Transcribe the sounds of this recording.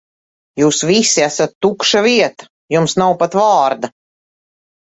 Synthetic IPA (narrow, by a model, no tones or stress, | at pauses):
juːsvisiæsat̪ːukʃaviɛt̪ḁ | jumsnawpat̪vaːɾd̪a